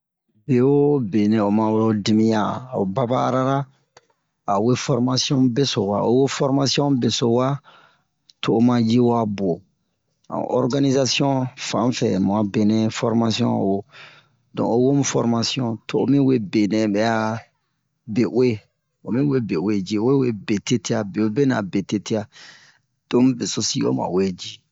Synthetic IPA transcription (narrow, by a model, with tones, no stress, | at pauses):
be˨wo˦be˨nɛ̃˨o˨mã˨wo˦di˨˦mĩ˦ja˨o˨ba˦ba̰ː˦ɾa˦ɾa˦ | a˨we˦fɔ˦ɾma˦si˦ɔ̃˦bɛ˦so˨wa̰˨o̰˦wo˦fɔ˦ɾma˦si˦ɔ̃˦be˨so˨wa˦ | tʰoː˦mã˦d͡ʒi˦wa˦bo˨ | ã̰˨ɔ̰˦ɾɡa˦ni˦za˦si˦ɔ̃˦fã˨˦fɛ̰˨mã˨be˨nɛ̃˨fɔ˦ɾma˦si˦ɔ̰̃˦˨wo˦ | dɔ̰̃˨o˦wo˦mũ˦fɔ˦ɾma˦siɔ̃˦tʰo˦˨o̰˦mĩ˦we˦be˨nɛ̃˨bɛ˦a˦ | be˨ʔwe˦ | o˨mĩ˦we˦be˨we˦d͡ʒi˦o˦we˦we˦be˨te˦te˦a˨be˨o˦be˦na˨be˨te˦te˦a˦ | d̥õ˦m˦be˨so˨si˦o̰˦mã̰˨we˦d͡ʒi˦